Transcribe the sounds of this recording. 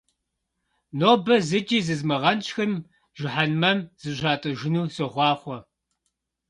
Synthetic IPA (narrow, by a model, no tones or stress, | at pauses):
noːbɐzɨd͡ʒiːzɨzmɨʁɐnt͡ʃxɨm | ʒ̥ʷɪħanmɐmz̥ɨʑʷaːtʼɨʒɪnuːsɨʁʷɑːχʷɔ